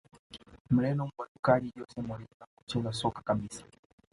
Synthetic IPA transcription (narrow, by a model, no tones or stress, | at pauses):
m̩lɛnɔm̩badukaliɟɔsɛmulizaku̥t͡ʃɛzasɔkḁkabisḁ